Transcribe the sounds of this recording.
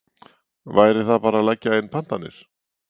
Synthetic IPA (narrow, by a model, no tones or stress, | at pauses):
vaːjɾɪθaðpaːɾalajcːaɪnːpʰan̥t̪anːɪ̰ɾ̥